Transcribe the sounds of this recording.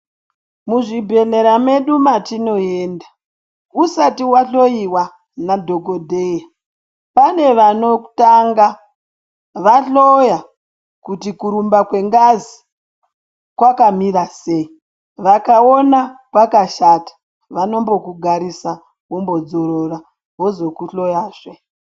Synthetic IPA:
muʐibʱe̞ne̞ɾame̞ɗumatino̞e̞ːnda | usatiwaɬo̞jiwa | nadʱo̞ɡo̞dʱeja | pane̞ʋano̞ku̥taŋɡa | ʋaɬoja | kutikuɾumbakwe̞ŋɡazi | kwakamiɾase̞ːi | ʋakao̞nakwakaʃatḁ | ʋano̞mbo̞kuɡʱaɾisa | wombo̞d͡zo̞ɾo̞ra | wo̞zo̞kuɬo̞jaːʐe

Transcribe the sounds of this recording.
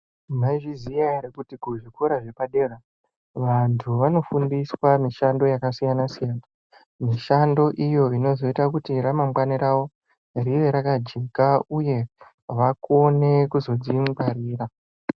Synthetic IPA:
maiʐizijaɾekutiɡuʐikuɾaʐe̞paɗera | ʋantʰuʋano̞fundiswamiʃando̞jakasijanasijaːna | miʃando̞ʔijo̞ino̞zo̞itakutiɾamamɡaniɾawo̞ | riʋe̞ɾakad͡ʒe̞kauje̞ | ʋakone̞kuzo̞d͡ziŋbaɾiːra

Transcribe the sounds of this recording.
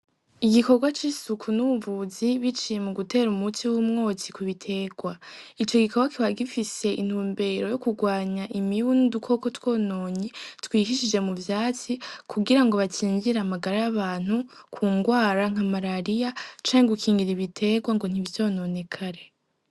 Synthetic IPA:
iɡiko̞ɾɡwat͡ʃisukʰunuβuvuziβit͡ʃijemuɡute̞ːɾumutiwumŋo̞ːt͡sikuβitʰe̞ːɡwait͡ʃo̞ɡikoɾɡwakiwaɡifise̞ʔḭn̥huːmbe̞ɾo̞jo̞kuɡwaːɲaʔimijundukʰo̞ko̞two̞ːno̞ːɲitwiːɦiʃid͡ʒe̞muvjaːt͡sikʰuɡiɾaŋɡo̞βat͡ʃiːɲɟiɾaːmaɡaɾajaβaːn̥ukʰuːŋɡwaːɾaŋ̥amaɾaɾijat͡ʃaːɲeɡukʰiːŋɡiɾiβitʰe̞ːɡwaŋɡo̞n̥iβvjo̞ːno̞ne̞kʰaɾe̞

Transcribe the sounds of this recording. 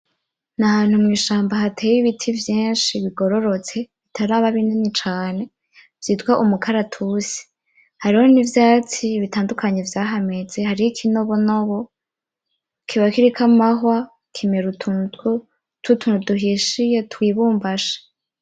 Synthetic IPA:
nahaːn̥humŋiːʃaːmbaɦatʰeːjiβitʰivjiːnʃiβiɡo̞ɾo̞ɾo̞t͡se̞βitʰaɾaːβaβiːndinit͡ʃaːne̞ | v̥jiːtɡwaʔumukʰaɾatʰusi̥ | haɾiho̞nivjaːt͡siːβitaːndukʰaɲevjaːɦame̞zehaɾijikʰinoβonoβo | kʰiβakiɾikʰamaɦwa | kʰimeɾutʰutɡu | tʰutʰunuduɦiʃijetwiːβuːmbaʃḁ

